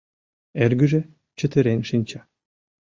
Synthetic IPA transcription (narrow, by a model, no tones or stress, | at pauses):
erɡɘʒĕ | t͡ɕə̆t̪ə̆ɾenʃinʲt͡ɕɑ